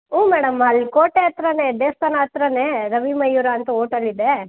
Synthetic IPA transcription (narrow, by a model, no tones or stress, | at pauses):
uːmɛːɽɐmɐlkoːʈeɐt̪ɾɐneɖeːst̪ɐnɐːt̪ɾɐneɾɐʋimɐjːuɾɐɐnt̪ɐoːʈɐlːid̪e